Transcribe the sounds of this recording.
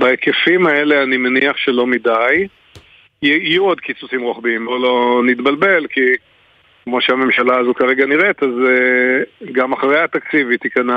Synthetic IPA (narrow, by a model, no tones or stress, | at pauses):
baekefimae̞leanimeniaχʃelo̞midaj | juod̪kit͡susimʁoχbimolo̞nit̪balbe̞lki | kmo̞ʃeame̞mʃalazukaʁe̞ɡaniʁet̪az | ɡamaχʁejat̪akt͡sivit̪ikana